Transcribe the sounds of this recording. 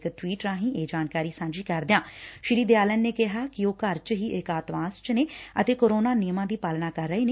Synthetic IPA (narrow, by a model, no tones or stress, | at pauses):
kʈwiːʈɾãːɦĩːeːd͡ʒaːnkaːɾiːsãːnd͡ʒiːkəɾd̪ejãːʃɪɾiːd̪eːaːlənːeːkɪɦaːkɪoːkəɾt͡ʃɦiːʔɪkaːt̪ʋãːst͡ʃneːə̰t̪eːkoːɾoːnaːnɪjmãːd̪iːpaːlnaːkəɾːəeːneː